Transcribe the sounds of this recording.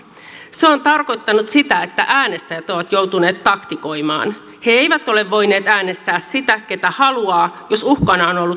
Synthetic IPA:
seont̪ɑrko̞jt̪ːɑnut̪sit̪æe̞t̪ːæʔæːne̞st̪æjæt̪o̞ʋɑt̪jo̞wt̪une̞ːt̪ːɑkt̪iko̞jmɑ̰ːn | he̞ejʋæt̪o̞le̞ʋːo̞jneːt̪æːne̞st̪æːssit̪æk̟e̞t̪æhɑluɑːjo̞suhkɑnɑono̞lːut̪

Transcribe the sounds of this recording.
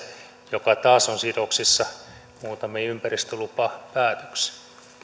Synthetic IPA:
jokɑt̪ɑːsonsidoksisːɑ | muːt̪ɑmiympærist̪ølupɑpæːt̪ø̥ks

